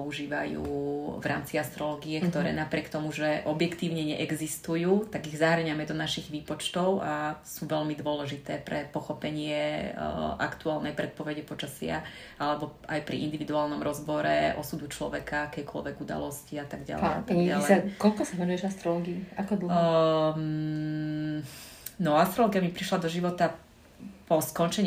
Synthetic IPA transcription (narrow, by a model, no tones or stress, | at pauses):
ɔuʒiːʋa̰jṵːvɾʔa̰ːmt͡siast̪ɾɔlɔːɡiɛkt̪ɔɾɛ̰ːnapɾɪɛkt̪ɔmuʒɛʔɔbjɛkt̪iːʊɲɛɲɛ̰ʔɛɡzist̪ujuːt̪aɡiɣzaɦɾ̩ɲamɛd̪ɔnaʃiɣʋiːpɔt͡ʃt̪ɔʊʔasuʋɛlmid̪ʊɔlɛʒit̪ɛːpɾɛpɔxɔpɛɲɪɛ | ʔa̰kt̪uaːlnɛjpɾɛt̪̚pɔʋɛɟɛpɔt͡ʃasɪa̰ | alɛbɔajpɾḭḭnd̪iʋid̪uaːlnɔmɾɔzbɔɾɛ̰ʔɔ̰sud̪ut͡ʃlɔ̰ʋɛkaakɛjkɔ̰lʋɛɡud̪a̰lɔsciat̪aɡɟa̰l̰ja̰t̪aɡalɛakɔlkɔsaʋɛnujɛʒast̪ɾɔlɔːɡiiakɔd̪l̩ | nɔast̪ɾɔlɔːɡijamipɾiʃlad̪ɔʒiʋɔt̪a | pɔskɔnt͡ʃɛɲ